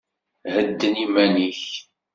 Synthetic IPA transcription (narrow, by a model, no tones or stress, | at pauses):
həd̪ːənimæniç